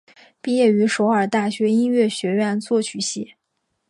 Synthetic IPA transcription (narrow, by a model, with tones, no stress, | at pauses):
pi˥˧jɛ˥˩y˧˥ʂo˧˥ʊə˞˨˩t̪a˥˩ɕɥɛ˧˥i˥nɥɛ˥˩ɕɥɛ˧˥ɥɛ˥˧nt͡swɔ˥˩t͡ɕʰy˨˩ɕi˥˩˦